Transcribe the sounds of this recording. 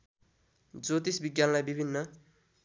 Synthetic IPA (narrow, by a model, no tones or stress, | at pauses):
d͡zot̪isbiɡjanlajbibʱinːʌ